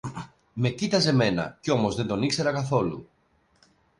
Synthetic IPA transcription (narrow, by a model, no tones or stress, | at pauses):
me̞cit̪ɐze̞me̞nɐ̰ceomo̞zðe̞nd̪o̞nikse̞ɾɐkɐθo̞lṵ